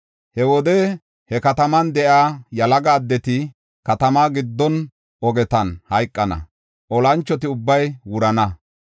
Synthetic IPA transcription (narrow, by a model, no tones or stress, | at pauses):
hɛwɔd̪ɛ | hɛkɐt̪ɐmɐnd̪ɛʔaːjɐlɐɡaːd̪ːɛt̪ɪ | kɐt̪ɐmaːɡɪd̪ːɔn | ɔɡɛt̪ɐnhɐjkʼːɐnɐ̰ | ʔɔlɐnt͡ʃːɔt̪ɪʊbːɐjwʊɾɐnɐ